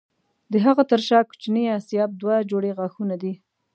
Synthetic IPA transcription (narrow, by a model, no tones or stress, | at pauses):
d̪əɦaɣat̪əɾʃɑku̥t͡ʃniasjɑb̚d̪wad͡ʒoɽeɣɑxunad̪i